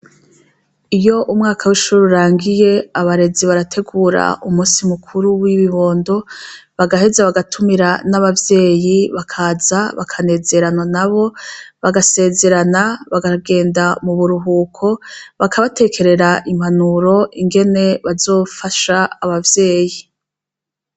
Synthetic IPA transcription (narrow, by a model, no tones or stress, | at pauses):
ijo̞ʔumŋaːkʰawiʃuuɾuɾaːŋɡije̞aβaɾe̞ziβaɾatʰe̞ɡuːɾa̰umuːsimukʰuɾuwiβiβo̞ːndo̞βaɡahe̞zaβaɡatʰumiɾanaβavje̞ːjiβakʰaːzaβa̰kʰane̞ze̞ɾanwanaβo̞βaɡase̞ːze̞ɾanaβaɡaɡe̞ːndamuβuɾuɦuːkʰo̞βakʰaβatʰe̞kʰe̞ɾe̞ɾaʔim̥hanuɾo̞ʔiŋɡe̞ne̞βazo̞ːfaʃaːβavje̞ːji